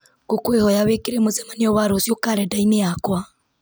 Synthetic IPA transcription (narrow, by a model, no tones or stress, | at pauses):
kokwehɔjaβekeɾemozɛmaneɔβaɾosjokaɾɛdaineakwa